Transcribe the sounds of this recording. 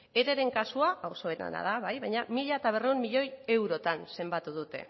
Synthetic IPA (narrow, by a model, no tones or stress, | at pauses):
e̞ɾe̞ɾe̞ŋkasuaawso̞et̪a̰na̰ðaβajβajɲamiʎaet̪aβ̞e̞re̞ummiʎo̞je̞wɾo̞t̪anse̞mbat̪uð̞ut̪e̞̰